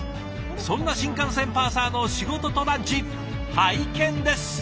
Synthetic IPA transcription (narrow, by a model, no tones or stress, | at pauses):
sõ̞nːaɕĩŋkãɰ̃sẽ̞mpaːsaːno̞ɕiɡo̞t̪o̞t̪o̞nad͡ʑipː | haikẽ̞nd̪e̞sɨ̥